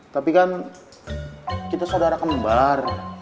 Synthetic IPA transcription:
t̪apikan | kit̪asodaɾakəmbar

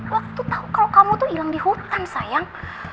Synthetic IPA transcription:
wak̚t̪ut̪aukaukamut̪ʊilaŋdihut̪ansajaŋ

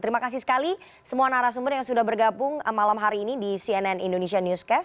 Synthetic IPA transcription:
t̪əɾimakas̬isə̥kali | səmuanaɾas̬umbʊrjaŋsudahbərɡabʊŋmalamɦaɾiːnidisiɛnɛnindonesianjuskɛs

